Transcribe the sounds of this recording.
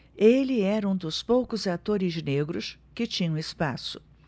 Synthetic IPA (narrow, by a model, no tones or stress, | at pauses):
elɪɛɾɐũd̪ʊspowkʊzat̪oɾɪzneɡɾʊskɪt͡ʃĩɲɐ̃ɪspasʊ̥